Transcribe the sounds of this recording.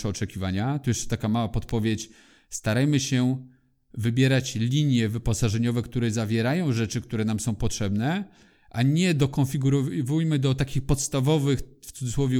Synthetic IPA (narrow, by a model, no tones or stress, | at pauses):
ɛɔt͡ʂɛkʲivaɲat̪ujɛʂt͡ʂɛ̥t̪akamawapɔt̪pɔvʲjet͡ɕ | st̪aɾajmɘɕɛ | vɘbʲjɛɾat͡ɕlʲiɲjɛvɘpɔsaʐɛɲɔvɛkt̪uɾɛzavʲjɛɾajɔ̃w̃ʐɛt͡ʂɘk̚t̪uɾɛnamsɔ̃w̃pɔtʂɛbnɛ | ʔaɲɛd̪ɔkɔnfʲiɡuɾɔvujmɘd̪ɔt̪akʲixpɔt̪st̪avɔvɘxft̪sud̪zɨswɔvʲju